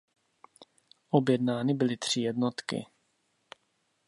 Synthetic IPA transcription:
ʔobjɛdnaːnɪbɪlɪt̪r̝̥ɪjɛdnot̪kɪ̰

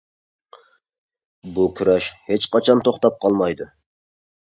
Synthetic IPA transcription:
bukʲʰyɾɛʃhet͡ʃqɑt͡ʃʰɑnt̪ʰoχt̪ɑp̚qʰɑlˠmɑjd̪u

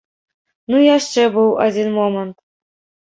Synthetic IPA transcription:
nujɑʂt͡ɕebɨwɑ̰dʲinmomɤ̆nt̪

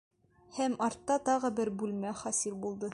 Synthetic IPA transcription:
hæmɒɾt̪ːɑt̪ɒʁɤbɘɾbʉlmæχɒsilbulˠd̪ɤ

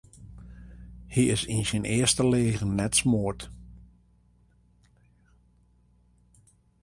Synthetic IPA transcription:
hiɪsinsinɪːəstəleːɣənːɛtsmoərt

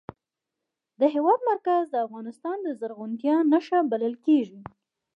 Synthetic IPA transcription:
d̪əɦɪwɑd̪maɾkazd̪əafɣɑnɪst̪ɑnd̪əzəɾɣunt̪jɑnaʃabaləlkeʒi

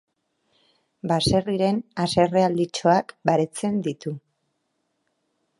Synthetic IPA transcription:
base̞riɾe̞nase̞reald̪it͡ʃo̞akbaɾe̞t͡se̞nd̪it̪u

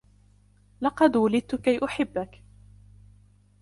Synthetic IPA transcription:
lɑqɑd̪walɪd̪̚t̪ʊkajʔʊħɪbːak

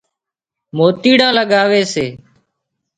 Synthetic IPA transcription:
moːt̪iːɽãːləɠaːʋeːseː

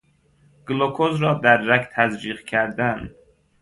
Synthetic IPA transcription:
ɡ̥lokʰozɾɒːd̪æɾːækt̪ʰæzɾiːʁkʲʰæɾd̪æn

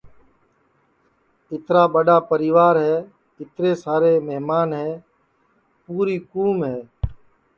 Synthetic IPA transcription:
ɪt̪ɾaːɓəɗaːpəɾiːʋaːɾɦɛː | ɪt̪ɾeːsaːɾeːmeɦmaːnɦɛː | puːɾiːkuːmɦɛː

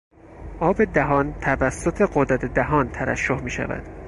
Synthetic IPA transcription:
ʔɒːbe̞d̪æɦɒːnt̪ʰævæsːot̪ʰe̞ɢod̪ɾæt̪ʰed̪æɦɒːnt̪ʰæɾæ̰ʃːohmiːʃæ̰væ̰d̪̥

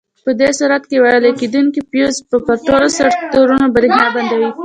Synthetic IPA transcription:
pəd̪esuɾat̪kewaɾəleked̪unkipjozpəpəɾʈolosaɾt̪oɾunobəɾeɦnɑband̪awi

